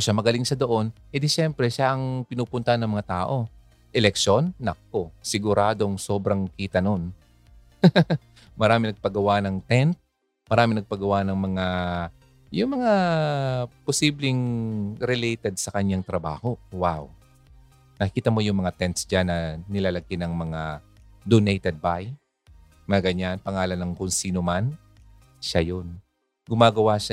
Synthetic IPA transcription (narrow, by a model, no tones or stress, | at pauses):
oʃamɐɡɐlɪŋsɐd̪oʔo̞nʔɛd̪ɪʃɛmpɾɛʃaʔɐŋpɪnuːpʊnt̪ɐanːɐŋmɐŋat̪aːʔo̞ | ʔɛlɛk̚ʃo̞nːɐ̰k̚ːosɪɡʊɾaːd̪oŋso̞ːbɾɐŋkiːt̪ɐno̞n | mɐɾaːmɪnɐɡ̚pɐɡɐwanɐŋt̪ɛnt̪̚ | mɐɾaːmɪŋnɐɡ̚pɐɡɐwanɐŋmɐŋa | jʊŋmɐŋa | posiːblɪŋɾɪlɛjt̪ɛd̪̚sɐkɐɲjaŋt̪ɾɐba̰ːho̞waw | nɐkkiːt̪ɐmo̞jʊŋmɐŋat̪ɛnt̪sd͡ʒanːɐnɪlaːlɐɡɪnɐŋmɐŋad̪onejt̪ɛd̪̚baj | mɐŋaɡɐɲanpɐŋaːlɐnɐŋkʊnsiːnoman | ʃajon | ɡʊmaːɡɐwaʃa